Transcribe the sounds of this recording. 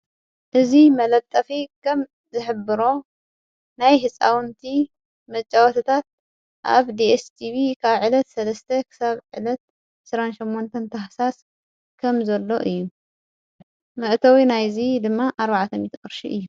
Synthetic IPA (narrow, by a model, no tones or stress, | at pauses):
ʔɨzimɐlɐβt̪ʼːɐfikʰɐm | zɨħɨbːɨɾo̞ | najɦɨsʼawnt̪ʰi | mɐt͡ʃʼːawt̪ʰɐt̪ʰat̪̚ | ʔa̰βd̪iest̪ʰiβikʰaβʕɨlɐt̪sɐlɐst̪ʰɐkʰɨ̥saβʕɨlɐt̪̚ | ɨsɾanʃimːont̪ʰɐnt̪ʰɐħsas | kʰɐmzɐlːo̞ʔɨjːu | mɨʔt̪ʰɐwinajzid̪ɨmːaʔaɾβaʕt̪ʰɐmit̪xʼɨɾʃiʔɨjːu